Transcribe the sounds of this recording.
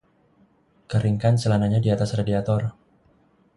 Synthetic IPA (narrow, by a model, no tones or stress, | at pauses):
kəɾiŋkansəlanaɲadiat̪asradiat̪ɔr